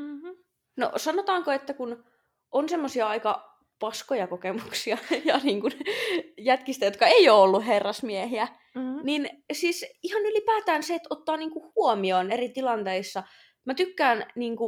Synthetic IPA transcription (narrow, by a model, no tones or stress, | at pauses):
no̰sɑnot̪ɑːŋkoet̪ːækun | ʔonsemːosiɑɑikɑ | pɑskojɑkokemuksiɑjɑniːŋkunjæt̪kist̪æjot̪kɑeioːolːuɦerːɑsmiehiæ | ninsiːsihɑnylipæːt̪æːnseet̪ot̪ːɑːniːŋkuhuomionerit̪ilɑnt̪eisːɑ | mæt̪ykːæːnniːŋku